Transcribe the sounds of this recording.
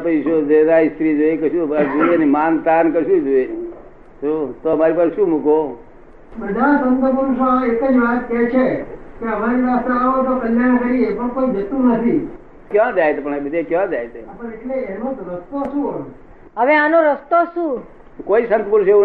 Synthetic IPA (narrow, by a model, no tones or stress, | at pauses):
pəiʃod͡ʒeɾaist̪ɾid͡ʒoekəʃũbad͡ʒoenimant̪ankəʃũd͡ʒoeni | sot̪oəmaɾipaseʃũmuko | bəd̪ʱasənt̪əpəɾuʃaekəd͡ʒʋat̪ket͡ʃʰekeəmaɾiɾast̪ɾeaʋot̪okəljaɽ̃kəɾiepəɳ̃koid͡ʒət̪ũnət̪ʰi | kjãd͡ʒajt̪epəɳbəd̪ʱekjãd͡ʒajt̪ʰepəeʈleenõt̪ɾəst̪osũɦojũ | ɦəʋeanoɾəst̪oʃũ | koisənt̪puɾʃeũ